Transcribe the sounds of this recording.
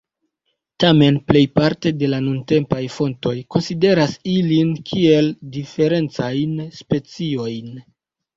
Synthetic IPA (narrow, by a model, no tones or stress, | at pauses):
tame̞nple̞jpaɾte̞de̞lanunte̞mpajfo̞nto̞jko̞nside̞ɾasilinkʰie̞ldife̞ɾe̞nt͡sajnspe̞t͡sio̞jn